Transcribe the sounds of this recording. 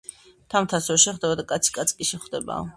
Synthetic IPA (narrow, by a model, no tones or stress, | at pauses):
t̪ʰamt̪ʰasɔvɛʃɛχd̪ɛbad̪akʼat̪sʰi̥kʼat̪sʰkʼiʃɛχd̪ɛba̰